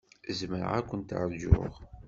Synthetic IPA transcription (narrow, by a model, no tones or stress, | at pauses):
zməɾ̰ʁækʷːənt̪ə̰ʕɾd͡ʒʊ̰ʁ